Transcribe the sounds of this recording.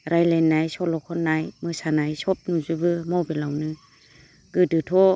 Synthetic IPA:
ɾajlenːajsɔlɔkʰɔnːajmɯsanajsɔp̚nuzubɯmɔwbelawnɯ | ɡ̥ɯdɯtʰɔ

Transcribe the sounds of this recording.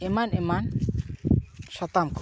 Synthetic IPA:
imaneman | ʃat̪amkʰ

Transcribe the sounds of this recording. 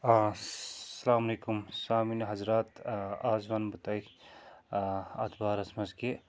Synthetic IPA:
sɐlaːmɐlekumsaːminɦɐzɾat̪azbanbut̪aj | ɐt̪ʰbaɾɐsmɐzke

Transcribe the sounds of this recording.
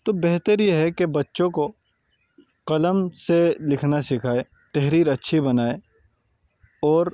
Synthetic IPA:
t̪obɛɦt̪əɾjeɦɛkebɐtːʃõko | qɐləmselɪkʰnasɪkʰaːe | t̪ɛɦɾiːɾɐtːʃʰibɐnaːe | ɔːɾ

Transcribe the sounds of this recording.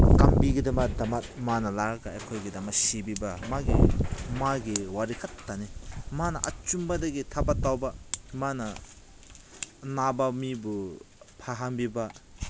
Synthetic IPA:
kɐmbiɡidɐmɐk̚dɐmɐt̚manɐlaɾɐɡɐekʰojɡidɐmɐsibibɐmaɡḭmaɡiwaɾikʰɐtːanimanɐʔɐt͡ʃumbɐdɐɡitʰabɐtːawbɐmanɐ | nabɐmibu | pʰaɦanbibɐ

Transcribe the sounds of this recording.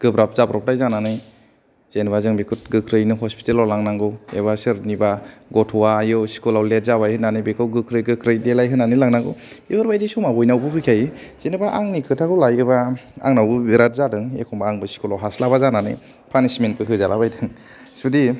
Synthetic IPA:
ɡ̥ɯbɾap̚zabɾɔp̚dajzananɯj | z̥enbazɯŋbekʰut̚ɡɯkʰɾɯjnɯɦɔspi̥telɔlaŋnaŋɡɯwḛβasɯɾnibaɡɔtʰwajɯsi̥kulawlet̚zaβajhɯnanɯjbekʰɯwɡɯkʰɾɯjɡɯkʰɾɯjdelajɦɯnːanɯjlaŋnaŋɡɯwehɯɾbajdisumabɔjnawbɯpʰɯkʰajz̥enɯbaʔaŋnikʰɯtʰakɯwlajɯbaa̰ŋnawbɯbiɾat̚zadɯŋḛkʰɔmbaːŋbɯsi̥kulawɦaslabazananɯ̰j | pʰanismenpʰɯkʰɯzalabajdɯŋ | sudi

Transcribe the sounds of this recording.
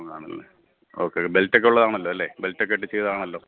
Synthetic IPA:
kaːɳɐ̰lːḛ | oːkːebeltːekːeuɭːɐðaːɳɐlːo̞ːɐlːeːbeltːek̬ːeeʈːit͡ɕːeðaːɳɐlːo̞ː

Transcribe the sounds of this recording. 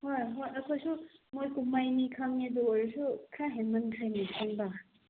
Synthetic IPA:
hojɦojɐkʰojsumojkumajnikʰaŋnid̪uɔɾsukʰaɦenmɐnkʰajnikʰaŋba

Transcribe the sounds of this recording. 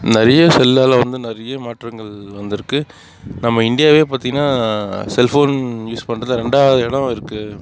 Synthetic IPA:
nɪɾɐjɐsɛlːaːlɐʋɐnd̪ɯnɪɾɐjɐmaːʈɾɐŋɡɐɭʋɐnd̪ɪɾɯkːɯ | nɐmːɐɪɳɖɪjaːʋeːpaːɾt̪iŋɡɐnːaːsɛlfoːnjuːspɐɳːɾɐnɐɾɛɳɖaːʋɐðɯɛɽɐ̃ɪɾɯkːɯ

